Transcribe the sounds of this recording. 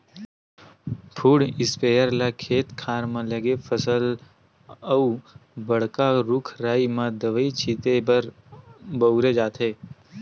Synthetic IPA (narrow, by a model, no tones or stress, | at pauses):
pʰuːɽɪspeːjəɾlakʰeːt̪kʰaːɾmãləɡepʰəsəl | əubəɽ̤kaɾʊkʰɾaːimãd̪əʋəit͡ʃʰiːt̪ebəɾ | bəɾed͡ʒaːt̪ʰɦeː